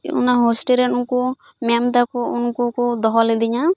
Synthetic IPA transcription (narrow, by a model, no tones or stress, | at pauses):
ṵnaɦosʈiɾɛunku | mamd̪akɔunkukud̪ɔɦɔlid̪iɲa